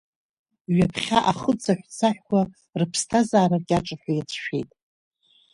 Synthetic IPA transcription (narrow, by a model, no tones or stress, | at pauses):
ɥapʰχʲaʔaχət͡sʰaħʷᶣt͡sʰaħᶣkʷa | rɨpʰstʰazaːrarɡʲʼaʈ͡ʂʼaħʷᶣajat͡sʰʃᶣḛjtʼ